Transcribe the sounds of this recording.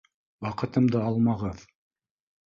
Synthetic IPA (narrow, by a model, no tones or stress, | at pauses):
wɑqɤ̆t̪ɤ̆md̪ɤɑlˠmɑʁɤð